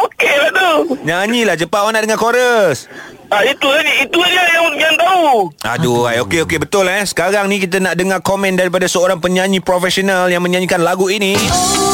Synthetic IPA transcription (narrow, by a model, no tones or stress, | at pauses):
okelat̪uɲaɲilaht͡ʃəpawanaʔdəŋakoɾəs | ait̪uaniit̪uanajaŋɡant̪aua̰duajokeokebət̪ʊlhɛsə̥kaɾaŋnĩk̬it̪̬ənaʔdəŋarkomɛ̃ndaɾip̬adasəoɾaŋpəɲãɲĩpɾofɛsionaljaŋmə̃ɲãɲĩkanlaɡuini